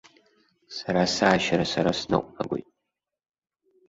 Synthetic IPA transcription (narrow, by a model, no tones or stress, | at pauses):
saɾasaːʃaɾasaɾasnɨ̰qʷʼna̰ɡʷo̰jtʼ